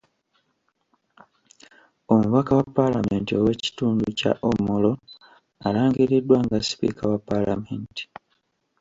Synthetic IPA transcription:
o̞muβakawapːalame̞ntio̞we̞ci̥tuːnduca̰ʔomolo̞ | alaːŋɡiɾidːwaŋɡasi̥pḭkawapːalameːnti̥

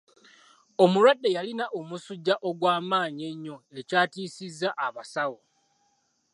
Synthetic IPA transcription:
o̞muɾwadːe̞jalinaʔomusuɟːaʔo̞ɡwaːmaːɲe̞ɲːo̞e̞caːtiːsizːaʔaβasawo

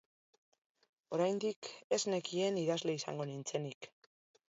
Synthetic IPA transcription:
o̞ɾajnd̪ike̞zne̞kie̞niðazle̞isa̰ŋɡo̞nint͡se̞nik

